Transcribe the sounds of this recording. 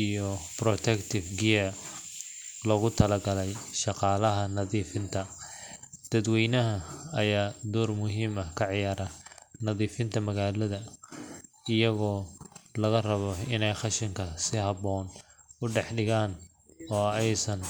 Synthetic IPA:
ijɔprɔt̪ʰɛkt̪ʰɪfɡɪjɐ | lɔɣʊt̪ʰɐlɐɡɐlɛjʃɑqɑːlɐɦɐnɐðiːfɪnt̪ʰɐ | d̪̥ɐd̪wɛjnɐɦɐɐjaːd̪ɔːrmʊɦiːmɐkʰɐʕɪjaːɾɐnɐðiːfɪnt̪ʰɐmɐɣaːlɐðɐ | ɪjɐɣɔːlɐɣɐrɐβɔɪnɛjχɑʃɪŋkʰɐsɪhɑβɔːnʊɖɛħɖɪɣaːn | ɔːɛjsɐn

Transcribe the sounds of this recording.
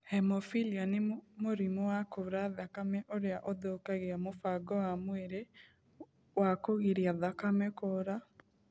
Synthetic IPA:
hɛmɔfilianemoɾimɔwakoɾaðakamɛʔoɾeaʔoðokaɣeamofaɡɔwamweɾe | wakoɣiɾiaðakamɛkoɾa

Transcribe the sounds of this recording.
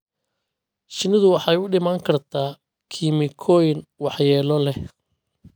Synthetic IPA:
ʃɪnɪðʊwɑħɑjʊɖɪmaːŋkʰɐrt̪ʰaː | kʰimɪkʰɔjɪnwɑħjɛːlɔlɛh

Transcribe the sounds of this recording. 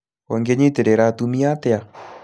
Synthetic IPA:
oŋɡeɲeteɾeɾatumiatea

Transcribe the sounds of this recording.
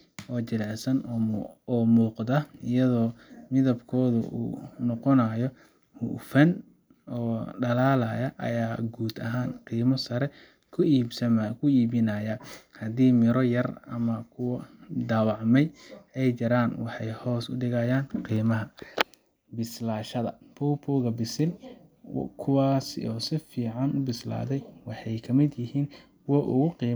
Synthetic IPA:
ʔɔːt͡ʃɪlɛʕsɐnː | muːqd̪ɐɪjɐðɔːmɪðɐbkʰɔːðʊ̰ʔṵːnɔqɔnɐjɔ | hʊ̰fɐn | ʔɔːɖɐlaːlɐjɐʔɐ̰jaːɡuːd̪ɐɦaːnqiːmɐsɐɾɛ | kʰʊiːsɐmkʰʊiːβɪnɐjɐhɐd̪iːmɪɾɔjɐrɐ̰mɐkʰʊwd̪aːwɑʕmɛjɛjt͡ʃɐɾaːnwɑħɑjhɔːsʊɖɪɣɐjaːnqiːmɐɦɐ | bɪslaːʃɐðɐ̰pʰɔːpʰɔːɣɐbɪsɪn | kʰʊwaːsɔːsɪfiːʕɑnʊbɪsla̰ːðɛjwɑħɑjkʰɐmɪd̪jɪhiːn | wɔʔʊɣʊqiː

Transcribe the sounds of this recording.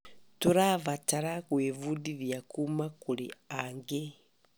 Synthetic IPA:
tuɾaβataɾakweːvudiɾjakumakuɾḭaŋɡe

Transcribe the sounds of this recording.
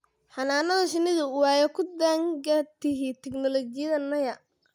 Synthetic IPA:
ħɑnaːnɐðɐʃɪnɪðʊwaːjɔkʰʊd̪aŋɡɐt̪ɪɦɪt̪ʰɛɡnɔlɔt͡ʃɪjɐðɐnɐjɐ

